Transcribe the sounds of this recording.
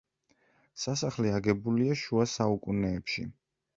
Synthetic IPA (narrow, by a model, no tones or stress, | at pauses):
sasaχliaɡɛbuliaʃuasaukʼunɛːpʃḭ